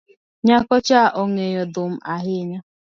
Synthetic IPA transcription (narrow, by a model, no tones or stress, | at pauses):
ɲakɔt͡ʃaʔoŋejɔdʊm̩aɦɪɲa